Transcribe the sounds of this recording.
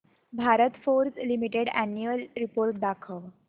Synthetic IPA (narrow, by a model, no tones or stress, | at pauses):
bʱaɾət̪foɾslimiʈeɽænjuəlɾipoɾʈ̚d̪akʰəʋ